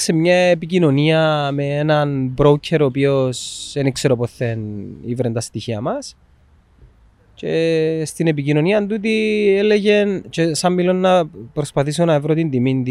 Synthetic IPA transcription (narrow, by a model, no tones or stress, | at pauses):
se̞mɲɐepicino̞niɐmeenɐnbɾo̞wcʰeɾo̞pio̞se̞nikse̞ɾo̞poθːe̞nivɾent̪ɐst̪içiɐ̰mɐs | ce̞st̪ine̞p̬icino̞niɐnt̪ut̪̬ielːeʝe̞nt͡ʃe̞sɐmːilo̞nːɐpɾo̞spɐθisonɐevɾo̞t̪ind̪imind̪i